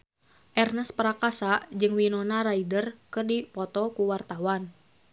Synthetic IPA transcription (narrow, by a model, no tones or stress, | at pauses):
ʔɛrnəspəɾakasad͡ʒɨŋwinɔnaɾaidərkɨrdipɔt̪ɔkuwart̪awan